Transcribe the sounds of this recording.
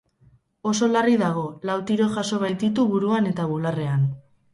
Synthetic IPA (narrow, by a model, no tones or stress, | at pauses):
o̞so̞lariðaɣ̞o̞lawt̪iɾo̞ʝaso̞β̞ajt̪it̪uβuɾuane̞t̪aβulare̞an